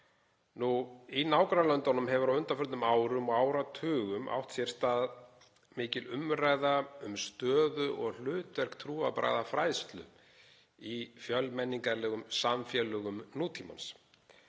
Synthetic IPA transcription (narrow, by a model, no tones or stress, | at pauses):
nuinaːwkɾalœnt̪ɔnʏmɦɛvʏɾawʏnt̪afœɾt̪nʏmaːwɾʏmɔɣaːwɾat̪ʰʏːɣʏmʔa̰wht̪sjɛɾ̥st̪aːð | mɪːcɪlʏmɾajðaʏmst̪œːðʏʔɔɣl̥ʏːt̪vɛr̥kt̪ʰɾuːa̰pɾa̰jðafɾaːjst̪lʏ̰ | ifjœlmɛnːiŋkaɾlɛːɣʏmsamfjɛlœɣʏmnuːt̪ʰima̰ns